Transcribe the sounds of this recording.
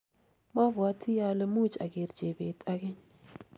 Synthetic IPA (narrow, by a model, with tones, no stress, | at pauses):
ma˦va˨˦tʰi˦ja˦lə˦mu˦t͡ʃa̰˨ɡe˨ɾd͡ʒe˨be˨tʼa˦ɡe˦ɲ